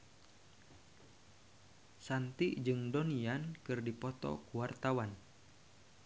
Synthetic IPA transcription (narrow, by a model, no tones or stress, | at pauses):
sant̪iʔd͡ʒɨŋdoniankɨrdipɔt̪ɔ̰kuwart̪awan